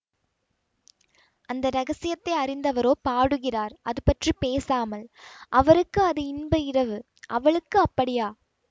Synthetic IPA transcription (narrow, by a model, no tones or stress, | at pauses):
ʔɐnd̪ɐɾɐɣɐsɪjɐt̪ːɐɪɐɾɪnd̪ɐʋɐɾoːpaːɽɯɣɪraːɾʔɐðɯpɐʈripeːsaːmɐlʔɐʋɐɾɯkːɯɐðɯɪnbɐɪrɐʋɯ | ʔɐʋɐɭɯkːɯɐpːɐɽɪjaː